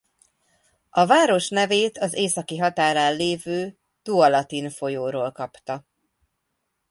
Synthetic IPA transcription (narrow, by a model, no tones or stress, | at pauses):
ɒvaːɾo̞ʃnɛveːt̪ʰɒzeːsɒkiɦɒt̪aːɾaːllːeːvøː | t̪uɒlɒt̪info̞joːɾoːlkɒpt̪ɒ